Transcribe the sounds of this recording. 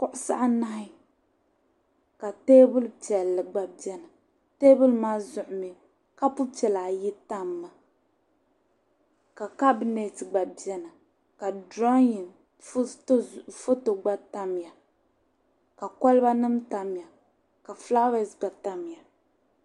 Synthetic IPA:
kʊ˦ʔʊ˦sa̰˦ʔna˦ɪ˦ | ka˨teː˦bʊ˦lpɛ˨lːɨ˨ɡ͡ba˨bi˨˦ɛ˦na˨ | te˦bʊ˦lmaː˦zʊ˨ʔʊ˨mi˨˦ | ka˦pu˦pɛ˨laː˨jɪ˦ta˦mːa˨ | ka˨ka˦bi˨ne˨ti˨ɡ͡ba˨bi˨˦ɛ˦na˨ | ka˨dɾɔ˦ji˨n˦ | fo˦to˨ɡ͡ba˦ta˦m˨ja˨ | ka˨kɔ˦lba˦nɨ˦mta˨m˨ja˨ | ka˨fla˦wɛ˨sɡ͡ba˨ta˦m˨ja˨

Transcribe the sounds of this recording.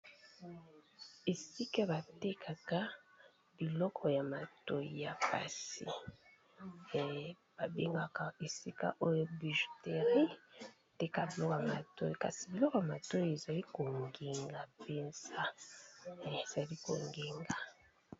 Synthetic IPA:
e˨si˦ka˦ba˨te˦kʰa˨ka˦ | b̥i˨lɔ˦kʰɔ˨ja˨ma˨to˦i˨ja˨pa̰˨sḭ˨ | b̥a˨be˦ŋɡa˨ka˦e˨si˦ka̰˦ʔo˦jo˦bi˨ʒo̥˨te˨ʁi˦˨ | te˦ka˦bi˨lɔ˦kɔ˨a˨ma˨to̰˦ji˨ka̰˨si˨bi˨lɔ˦kɔ˦ja˨ma˨to˦ji˨e˨za˨li˦ko˨ŋɡe˨ŋɡa˨pe˨nza˦˨ | e˨z̥a˨li˦ko̰˨ŋɡe˨ŋɡa˨

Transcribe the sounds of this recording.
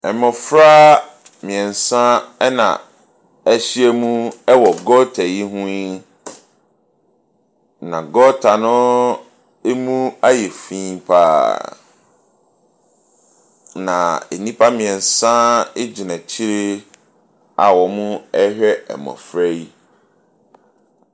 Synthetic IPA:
ɛ˨mɔ̃˨fɾa˦ | mĩ˨ɛ̃˨n˨sã˦ɛ˦nã̰˨ | ɛ˦ɕi˦ɛ˦mũ˦ɛ˦wɔ˨ɡɔ˦tʰa˨ji˦ɦũ˦i˦ | nã˨ɡɔ˦tʰa˨nʊ̃˦ | e˦mũ˦a˦jɛ˨fĩ˦mpʰaː˦ | nã̰˨e˨nĩ˦pʰa˦mĩ˨ɛ̃˨n̩˨sã˦e˦d͡ʑi˨nã˨t͡ɕʰi˦ɾe˦ | a̰˨wɔ˨mũ˦ɛ˦hᶣɛ˦ɛ̰˨mɔ̰̃˨fɾɛ˦i˦

